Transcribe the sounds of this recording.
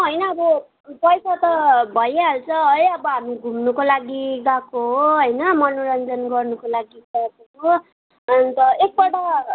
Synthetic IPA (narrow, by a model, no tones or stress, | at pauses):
ɦʌjnʌːbʌ | pʌjsat̪ʌbʱʌjaɦalt͡sʰʌʌjʌbʌɦamiɡʱumnukolaɡiɡãkoɦoɦʌjnʌmʌnoɾʌnd͡zʌnɡʌrnukolaɡikʌjsʌko | t̪ʌek̚bʌʈa